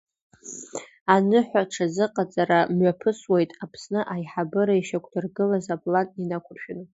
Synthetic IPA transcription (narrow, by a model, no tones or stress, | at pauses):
anɨħʷᶣaʈ͡ʂʰazɨqʼat͡sʼaɾamɥapʰɨswejtʼapʰsnɨʔajħabɨɾaiʃakʷʰdʰɨrɡɨlazapʼlantʼinakʷʰʊrʃᶣɪnʼ